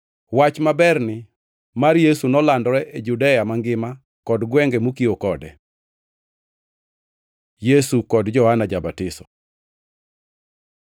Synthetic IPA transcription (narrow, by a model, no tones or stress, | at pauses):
wat͡ʃmabɛrnɪ | marjesunɔlandɔɾɛʔed͡ʒudɛjamaŋɡɪma | kɔdɡwɛŋɡɛmukiokɔdɛ̰ | jesukɔdd͡ʒɔhanad͡ʒabatɪsɔ̥